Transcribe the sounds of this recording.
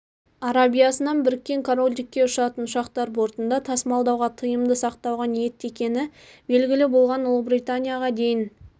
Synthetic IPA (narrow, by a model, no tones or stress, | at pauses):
ɑɾabijasənɑnbɪɾɪkʲːe̞ŋkʰoɾolʲd̪ɪkʲːe̞ʊʃɑt̪ənʊʃɑqt̪ɑɾbo̞ɾt̪ənd̪ɑt̪ʰɑsmɑlˠd̪ɑwʁɑt̪ʰəjəmd̪əsɑqt̪ɑwʁɑnije̞t̪ːe̞kʲe̞nɪbe̞lɡʲɪlɪbo̞lˠʁɑnʊlˠəbɾijt̪anʲijaʁɑd̪e̞jɪn